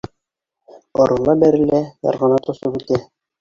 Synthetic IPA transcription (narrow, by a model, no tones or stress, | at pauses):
ŏɾɤ̆lˠɑbæɾɘ̆læjɑ̰ɾʁɑ̆nɑt̪ŏsɤpʉt̪æ